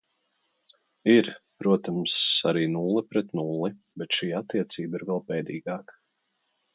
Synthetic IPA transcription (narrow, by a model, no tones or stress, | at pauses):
iɾpɾuɔt̪amsaɾiːnulˠipɾɛt̪nulˠi | bɛt̪ʃiːat̪ːiɛt̪siːbiɾvɛlˠpɛːd̪iːɡɑːk